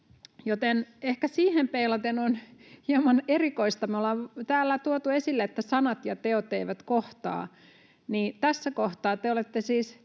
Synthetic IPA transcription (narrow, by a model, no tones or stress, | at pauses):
jot̪enehkæsiːhempeilɑt̪enonhiɑmɑnerikoist̪ɑmolɑʋt̪æːlːæt̪uot̪uesilːeet̪ːæsɑnɑt̪jɑt̪eot̪eiʋæt̪koht̪ɑ̰ː | niːt̪æsːækoht̪ɑːt̪eolet̪ːesiːs